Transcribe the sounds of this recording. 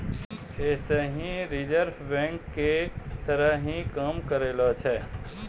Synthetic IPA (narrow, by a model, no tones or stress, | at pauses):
eːseɦĩɾɪd͡ʒəɾfʰʋɛ̃ɳʈket̪əɾəɦĩkamkəɾeːlot͡ʃʰɛː